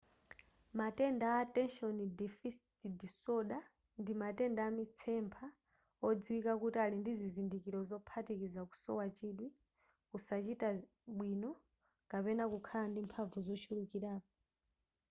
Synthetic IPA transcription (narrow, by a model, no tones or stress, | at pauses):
matɛndaatɛnʃɔndɛfistidisɔɗa | ndimatɛndaːmit͡sʰɛmpʰa | ɔd͡ziwikakutialindizizindikiɾɔzɔpʰatikizaku̥sɔ̰wat͡ʃiɗwi | kusat͡ʃita | ɓwinɔ | kapɛnakukʰalandimpʰavuzɔt͡ʃʰuɾukiɾaːpɔ